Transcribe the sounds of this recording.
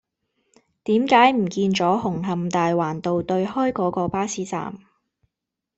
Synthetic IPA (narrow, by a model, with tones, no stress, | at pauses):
t̪iː˨˥mkaː˨˥jm̩˨˩kiː˧nt͡sɔː˨˥hʊ˨˩ŋɦɐ˨mt̪aː˨jwaː˨˩nt̪o˨wt̪ɵ˧ɥɦɔː˥jkɔː˨˥kɔː˧paː˥siː˨˥t͡sa̰ː˨m